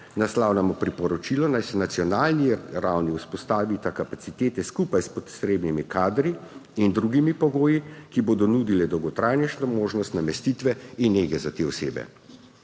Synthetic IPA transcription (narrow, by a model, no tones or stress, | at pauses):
naslawlamɔpɾipɔɾɔt͡ʃilɔnajsɛnat̪sjɔnaːlniɾawniuspɔst̪aːʋit̪akapat̪sit̪eːt̪ɛskupajspɔt̪sɾeːbnimikʰaːd̪ɾiːnd̪ɾuɡimipɔɡoːjikiboːd̪ɔnuːd̪ilɛd̪ɔwɡɔt̪ɾaːjnɛʃnɔmoːʒnɔst̪namɛst̪iːt̪ʋɛinːeːɡɛzat̪eːɔseːbɛ̰